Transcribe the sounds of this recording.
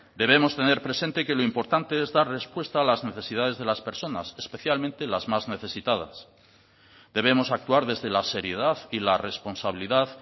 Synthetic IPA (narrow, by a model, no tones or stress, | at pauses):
d̪e̞β̞e̞mo̞st̪e̞ne̞ɾpɾe̞se̞nt̪e̞ke̞lo̞impo̞ɾt̪ant̪e̞ezðaɾre̞spwe̞st̪aːlazne̞θe̞sið̞aðe̞zð̞e̞laspe̞ɾso̞na̰se̞spe̞θjalmẽnt̪e̞lazmazne̞θe̞sit̪að̞a̰s | d̪e̞β̞emo̞sak̚t̪uaɾðe̞zðe̞lase̞ɾje̞ðaðilare̞spo̞nsaβ̞iliðað